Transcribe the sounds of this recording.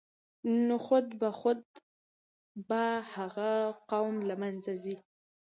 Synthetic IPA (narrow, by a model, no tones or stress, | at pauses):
noxʊd̪baxʊd̪̚ | bahaɣaqawmlamanzazi